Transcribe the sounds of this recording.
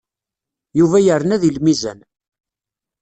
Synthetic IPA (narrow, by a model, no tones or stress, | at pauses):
juvæjəɾənæðilmizæ̰n